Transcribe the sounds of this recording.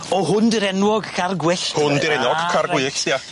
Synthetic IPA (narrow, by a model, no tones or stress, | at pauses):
ɔɦʊndɪɾɛnwɔɡkʰarɡwɪɬhʊndɪɾɛnɔɡkʰarɡwɪːɬja